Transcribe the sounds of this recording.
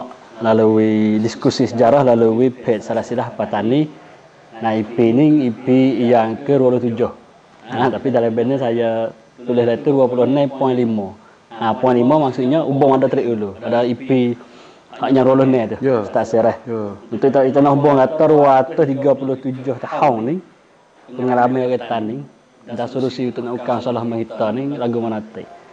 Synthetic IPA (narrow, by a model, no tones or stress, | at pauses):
laluwidiskusisəd͡ʒaɾahlaluwipʰɛt̪̚salahsilahpat̪ani | naipiniipijaŋkəɾualʊht̪ud͡ʒʊh | at̪apidalabɛnːisaja | t̪ulɪhlait̪uduapulʊhnɛpɔnlimɔ | napɔjnlimɔmaŋsuʔɲaubɔŋmadɔʔt̪əɾiʔuluadaipi | haʔɲaŋɾualʊhnɛt̪uhst̪aʔsɛɾɛhunt̪ʊʔt̪ʔit̪anɔʔubɔŋɡat̪ɔɾuwat̪ʊht̪iɡapulʊht̪ud͡ʒʊht̪ahɔŋnɪŋ | kunŋalamaaket̪anːɪŋ | dasolusiunt̪ʊʔnaukaŋsɔlahmaɦit̪ɔnɪŋlaɡumənat̪ɛ̰ʔ